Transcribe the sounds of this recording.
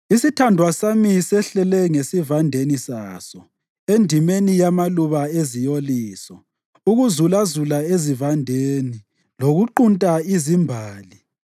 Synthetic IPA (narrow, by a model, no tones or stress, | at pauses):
isitʰandʱwasamisɛɬɛlɛŋesivandʱenisa̰ːsɔ | endʱimenijamaluβaezijoliːsɔ | uɣuzulazulaezivandʱeni | loɣuǃuntʼaizimbʱaːli